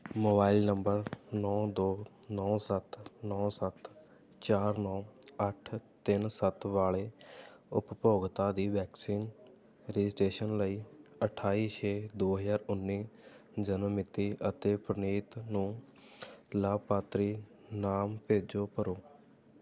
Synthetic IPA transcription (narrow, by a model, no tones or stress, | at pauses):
moːbaːilnəmbəɾnɔːd̪oːnɔːsət̪nɔːsət̪ | t͡ʃaːɾnɔːəʈʰt̪ɪnsət̪ʋaːɭeːʊppoːɡt̪aːd̪iːʋɛːksiːn | ɾɪd͡ʒɪsʈeːʃənləiːəʈʰaːiːt͡ʃʰeːd̪oːɦəzaːɾʊnːiː | d͡ʒənəmɪt̪iːət̪eːpɾəniːt̪nũː | laːb̚paːt̪ɾiː | naːmpeːd͡ʒoːpəɾoː